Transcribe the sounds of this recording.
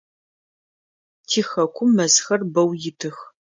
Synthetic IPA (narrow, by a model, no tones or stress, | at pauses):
tʰiːxɐkʷʰʊmːɐzxɐrbɐwjɪtʰɨx